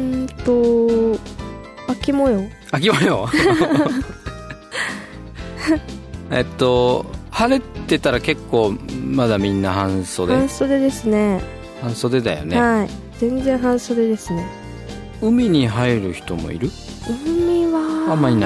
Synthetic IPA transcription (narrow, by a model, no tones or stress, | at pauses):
ɯ̃nt̪o̞ | akʲimojo | ak̬ʲimojo | ḛt̪ːo̞haɾet̪ːe̞t̪aɾake̞kːo̞ːmad̪amʲĩnːahãɰ̃so̞ːd̪aẽɰ̃so̞ːd̪ed̪e̞sɨne̞ | hãɰ̃so̞ːd̪ed̪a̰jo̞̰neai | z̥ẽ̞nd͡zẽ̞ɰ̃ɦãɰ̃soːd̪e̞d̪e̞sɨne̞ | ɯ̟mʲiɲ̟iɦaeɾɯ̟çi̥t̪o̞mo̰ḭɾɯ̟ | ɯ̟mʲiβaamːaɲin